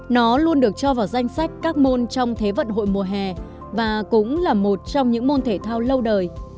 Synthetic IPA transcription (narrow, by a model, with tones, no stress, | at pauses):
nɔ˨˦lu˧ənɗɨ˨˩ək̚t͡ɕɔ˧vaː˨˩wza˧jŋ̟sa˦˥jk̟̚kaː˦˥k̚mo˧nt͡ɕɔ˧wŋ͡mt̪ʰe˨˦və̰˧˨nɦo̰˧˨jmu˨˩əɦɛ˨˩ | vaː˨˩kʊ̰˧˥ŋ͡mlaː˨˩mo˨˩t̚t͡ɕɔ˧wŋ͡mɲɨ̰˧˥ŋmo˧nt̪ʰe˧˩t̪ʰaː˧wlə˧wɗəː˨˩j